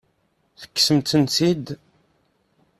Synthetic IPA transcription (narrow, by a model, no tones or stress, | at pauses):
θə̥kːsəmt̪ənsid̪